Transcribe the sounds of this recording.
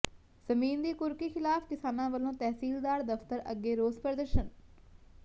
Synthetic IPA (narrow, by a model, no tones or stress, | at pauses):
z̥əmiːnd̪iːkʊɾkiːxʰɪlaːfkɪsaːnãːʋəlõːt̪ɛːsiːld̪aːɾd̪əft̪əɾə̰ɡːeːɾoːzpəɾəd̪əɾʃən